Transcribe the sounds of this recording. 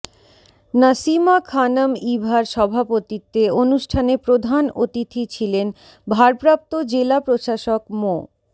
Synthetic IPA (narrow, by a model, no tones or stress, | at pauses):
nasimakʰanamibʱaɾʃɔbʱapot̪it̪ːeonuʃʈʰanepɾod̪ʱanot̪it̪ʰit͡ɕʰilen | bʱaɾpɾap̚t̪od͡ʑelapɾoʃaʃokmo